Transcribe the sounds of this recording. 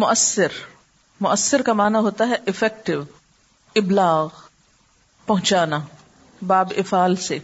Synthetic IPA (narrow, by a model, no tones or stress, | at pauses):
mʊʔəsːɪɾ | mʊʔəsːɪɾkamaːnaɦoːt̪aɦɛʔɪfɛːk̚ʈɪʋ | ɪblaːɣ | pɐɦʊ̃t͡ʃaːna | baːbɪfaːlse